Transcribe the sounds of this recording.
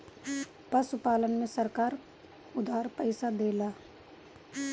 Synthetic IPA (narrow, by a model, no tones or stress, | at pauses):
pəsʊpaːlənmẽsəɾkaːɾ | ʊd̪ʱaːɾpəɪsad̪eːlaː